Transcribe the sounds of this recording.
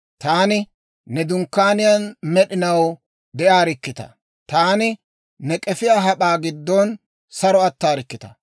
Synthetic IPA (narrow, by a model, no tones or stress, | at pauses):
t̪aːnɪ | nɛd̪ʊŋkːaːnɪjɐnmɛɗɪnɐw | d̪ɛʔaːɾɪkːɪt̪ɐ̰ | t̪aːnɪ | nɛkʼɛfɪjaɦɐɓaːɡɪd̪ːɔn | sɐɾɔɐt̪ːaːɾɪkːɪt̪ɐ̥